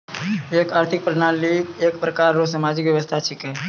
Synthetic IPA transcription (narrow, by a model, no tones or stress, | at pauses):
eːkaːɾt̪ʰɪk̚pɾɪnaːlieːkpɾəkaːɾːos̬əmaːd͡ʒɪkʋjəʋəst̪ʰat͡ʃʰɪkɛː